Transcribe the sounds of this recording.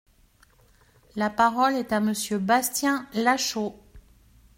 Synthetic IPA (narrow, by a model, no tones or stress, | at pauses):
lapaʁɔlɛt̪aməsjøbast̪jɛ̃laʃo